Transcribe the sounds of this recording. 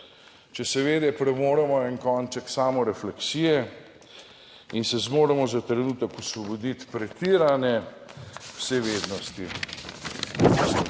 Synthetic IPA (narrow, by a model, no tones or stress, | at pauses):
t͡ʃɛsɛʋeːd̪ɛpɾɛmoːɾɛmɔɛnkɔːnt͡ʃɛksaːmɔɾɛflɛksiːjɛ | insɛzmoːɾɛmɔzat̪ɾɛnuːt̪əkɔswɔbɔd̪it̪pɾɛt̪iɾanjɛ | w̥seʋeːd̪nɔst̪i